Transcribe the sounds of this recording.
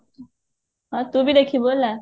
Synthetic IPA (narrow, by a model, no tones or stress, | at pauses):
ɦãt̪uːbʱiːd̪ekʰiːbolːa